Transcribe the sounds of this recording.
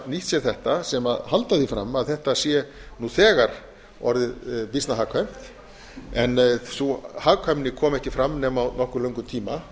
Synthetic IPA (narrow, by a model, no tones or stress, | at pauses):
niht̪sjɛɾ̥θɛht̪asɛmaðhalt̪aðifɾa̰mːaðθɛht̪asjɛnuθɛːɣaɾ | ɔɾðɪðpist̪naɦaːkʰham̥t̪ | ɛnθuhaːkʰhœmnɪkʰɔːmɛhcɪfɾamːnɛːmawnɔhkʏɾlœɥŋkʏmt̪ʰiːma